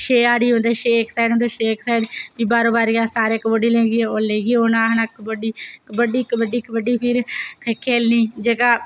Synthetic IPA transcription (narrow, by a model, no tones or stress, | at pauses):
ʃeːaːɽiːɦõːnd̪eːʃeːksaːɖɦõːnd̪eːʃeːksaːɖbiːbaːɾõːbaːɾjaːsaːɾeːkəboɖiːlẽːɡieoːleːɡieːoːnãːɦnakbəɖiːkbəɖiːkbəɖiːkbəɖiːpʰɪɾkʰekʰːeːlniːd͡ʒeːɡaː